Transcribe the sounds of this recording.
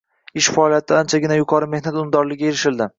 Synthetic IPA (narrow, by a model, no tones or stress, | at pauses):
ɪʃfaɒlijat̪ʰɪant͡ʃʰaɡʲɪnajʊqʰɒɾɪme̞hnat̪ʊmd̪ɒɾlɪɡʲaje̞ɾɪʃɪld̪ɪ